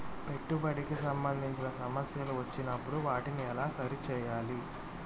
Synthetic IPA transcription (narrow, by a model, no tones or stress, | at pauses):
pe̞ʈːubɐɽikisɐmbɐnd̪ʱiɲt͡ʃinɐsɐmɐsjɐluʋɐt͡ʃːinɐpːuɽuʋaːʈiniɛlaːsɐɾit͡ʃɛːjaːli